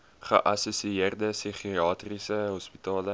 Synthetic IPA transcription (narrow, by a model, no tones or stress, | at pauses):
χə̰ʔɐsusiiərdəsiχiɑːtrisəɦɔspitɑːlə